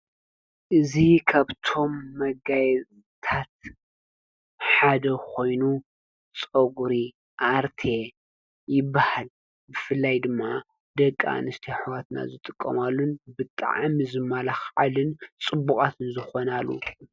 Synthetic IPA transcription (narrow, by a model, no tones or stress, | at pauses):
ʔɨzikʰaβt̪ʰo̞mːɐɡajɛz | t̪ʰat̪ | ħad̪ɐkʰo̞jnu | t͡sʼɐɡuɾi | ʔaɾt̪ʰe̞ | jɪbːahal | bɨfɨlːajd̪ɨmːa | d̪ɐkʼːa̰nɨst̪ʰiħwat̪na̰zɨt̪ʼɨkʼːɐ̰malːunbɨt̪ʼa̰ʕamizɨmːalaxʕalɨnt͡sʼɨbːukʼat̪ɨnzɨxo̞nalːṵ